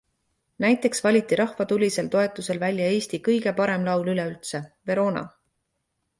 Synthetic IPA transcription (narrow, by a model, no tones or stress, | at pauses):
næjt̪ːˑe̞ksvɑlʲit̪ːˑiɾʔɑhvɑt̪ulʲise̞lt̪o̞e̞t̪ːˑuse̞lvælʲjɑe̞ːst̪ikɤjɡ̥e̞pɑɾe̞mlɑwlylɛylt̪se̞ve̞ɾo̞ːnɑ̰